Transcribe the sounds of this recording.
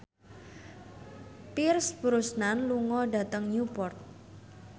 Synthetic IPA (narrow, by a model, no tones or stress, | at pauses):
pirsb̥ɾusnanluŋɔɖa̤t̪əŋɲupɔrt̪̚